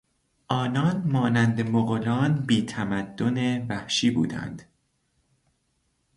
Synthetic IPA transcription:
ʔɒːnɒːnmɒːnænd̪emoɣolɒːnbiːt̪ʰæmæd̪̥ːonevæhʃiːbṵːd̪æ̰nd̪̥

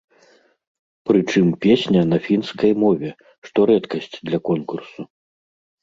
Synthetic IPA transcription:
pɾɨt͡ʂɨmpʲesʲnʲɐnɐfʲinskɐjmɔvʲɛ | ʂt̪ɔɾɛt̪kɐsʲt͡sʲd̪lʲɐkɔnkursu

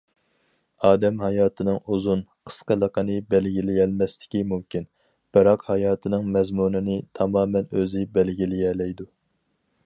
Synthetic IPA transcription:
ɑːd̪ɛmhɑjɑːt̪ʰɨnɨŋuzunqʰə̥sqəlˠəqʰɑnɨbɛlɡʲilɪjɛlmɛst̪ɪ̥kʲimumkʲin | b̥ɨɾɑqhɑjɑːt̪ʰɨnɨŋmɛzmunɨnɪt̪ʰɑmɑːmɛnøzɪbɛlɡʲilɪjɛlɛjd̪u

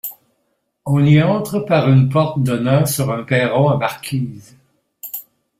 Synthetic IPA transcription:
ɔ̃niɑ̃t̪χəpaʁynpɔʁt̪d̪ənɛ̃syʁœ̃pɛːʁɔ̃ãmaʁkʲʰiːz

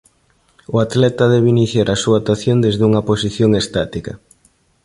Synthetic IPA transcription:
ʊat̪lɛt̪ɐðɛβeiniθjaɾasuat̪aθjond̪ezðuŋɐposiθjoŋest̪at̪ikɐ̰

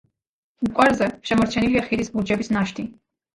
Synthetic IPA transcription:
ukʼwɛɾzɛʃɛmɔɾt͡ʃʰɛniliaχiɾisbud͡ʒɛbisnaʃt̪ʰi

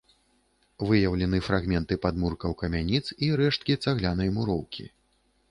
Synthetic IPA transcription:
vɨjɐwlʲɛnɨfɾaɣmʲɛnt̪ɨpad̪murkɐwkɐmʲanʲit̪siɾɛʂt̪̚kʲit̪saɣlʲan̪ɐjmuɾɔwkʲḭ

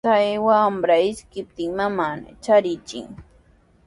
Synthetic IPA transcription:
sajwaːmbɾaɪskɪp̚t̪ɪŋmaman̰t͡ʃaɾɪt͡ʃɪ̰ŋ

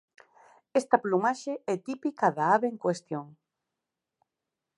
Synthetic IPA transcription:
est̪aplumaʃeɛt̪ipikaðaaβeeŋkwest̪joŋ

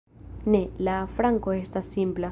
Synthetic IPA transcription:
ne̞lafɾaŋko̞e̞stasːimpla

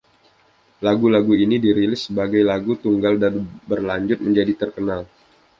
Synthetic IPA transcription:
laɡulaɡuinidiɾilɪsːəbaɡajlaɡut̪uŋɡaldanbərlaɲd͡ʒʊt̪̚məɲd͡ʒadit̪ərkənal

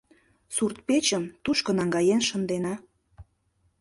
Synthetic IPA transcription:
surt̪̚pet͡ɕəmt̪uʃkɤ̆nɑŋɡɑjenʃənd̪enɑ

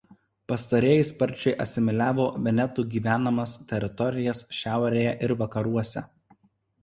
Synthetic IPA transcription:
pɐst̪ɐɾʲeːjɪspɐɾʲˑt͡ʃʲɛɪʔɐsʲɪmʲɪlʲæːʋoːʋʲɛnʲɛt̪uˑɡʲiːʋʲæːnɐmɐst̪ʲɛɾʲɪt̪ɔɾʲɪjɛsʃʲæˑʊɾʲeːjɛʔɪɾʋɐkɐɾuɔsʲɛ̰

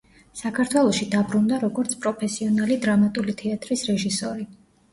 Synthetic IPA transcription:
sakʰaɾt̪ʰwɛlˠɔʃid̪abɾund̪aɾɔɡɔɾt̪sʰpʼɾɔpʰɛsiɔnalid̪ɾamat̪ʼulit̪ʰɛat̪ʼɾisɾɛʒisɔɾi

